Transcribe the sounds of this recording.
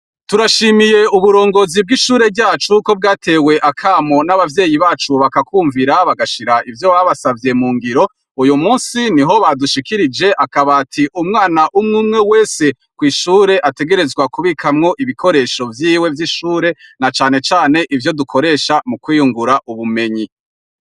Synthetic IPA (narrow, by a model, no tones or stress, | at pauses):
tuɾaʃimije̞uβuɾo̞ːŋɡo̞ːzib̚ɡiʃuːɾe̞bɟaːt͡ʃuko̞b̚ɡaːtʰe̞ːwe̞ʔakʰaːmo̞naβavje̞ːjiβaːt͡ʃuβakakʰuːɱviɾaβaɡaʃiɾaivjo̞βaβasavje̞muːŋɡiɾo̞ | ujumuːnsiniɦo̞βaduʃikiɾid͡ʒe̞ʔakaβaːtʰiʔumŋaːnaʔumŋuːmŋe̞we̞ːse̞ | kwiːʃuːɾe̞ʔate̞ɡe̞ɾe̞zɡwakuβikʰamŋo̞ʔiβikʰoɾe̞ːʃo̞vjiːwe̞vjiʃuːɾe̞nat͡ʃaːne̞t͡ʃaːne̞ʔivjo̞dukʰo̞ɾe̞ːʃamukwiːjuŋɡuɾaʔuβume̞ɲi